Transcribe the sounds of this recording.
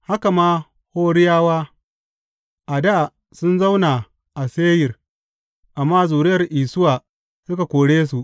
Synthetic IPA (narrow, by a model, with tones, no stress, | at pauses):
ha˦ka˨maː˦ | hoː˦ɽɪ˦jaː˦waː˦ | ʔa˨daː˦˨ | sʊ˦nza˦wnaː˨ | ʔa˨seː˦jɪ˨r | ʔa˨mːaː˦zuː˨ɾɪ˦jɐ˨rʔiː˨sʊ˦waː˨ | sʊ˦ka˨kʷoː˨ɽeː˦s̬u˨ʔ